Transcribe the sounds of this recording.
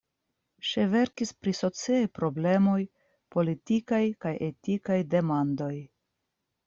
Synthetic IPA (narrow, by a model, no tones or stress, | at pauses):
ʃeve̞ɾkispɾiso̞t͡siajpɾo̞ble̞mo̞j | po̞litikajkajetikajde̞mando̞j